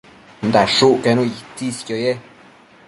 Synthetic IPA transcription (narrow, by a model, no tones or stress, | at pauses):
nd̪aʂuʔkenũit͡siskjoje